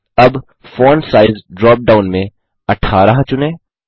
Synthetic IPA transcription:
ɐb | fɔːnsaːɪzɖɾɔːp̚ɖaːʊnmẽ | ɐʈʰaːɾaɦt͡ʃʊnẽː

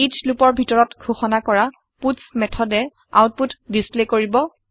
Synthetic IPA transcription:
it͡ʃlupɔɹbʱitɔɹɔtɡʱoxɔnakɔɹa | putsmɛtʰɔdɛ | a̰wt̚putdisplekoɹibɔ

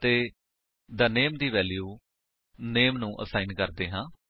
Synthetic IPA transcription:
t̪eː | d̪aːneːmd̪iːʋɛːljuː | neːmnũːʔə̰saːɪnkəɾd̪eːɦãː

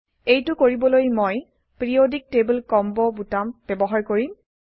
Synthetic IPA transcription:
ejtʊkoɹibɔlojmoj | pɹiodik̚teblkɔmbɔbutambebɔɦaɹkoɹim

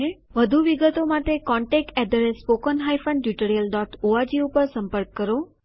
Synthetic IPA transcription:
e | ʋəd̪ʱuʋiɡət̪omãʈ̪ekɔ̃ɳʈek̚ʈɛd̪əɾespokənɦajfəɳɖjuʈəɾijəlɖɔʈoad͡ʒiupəɾsə̃mpəɾkːəɾo

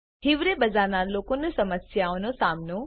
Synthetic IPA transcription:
ɦiʋɾebɐzaːnaloːkonusɐməsjaonosaːmno

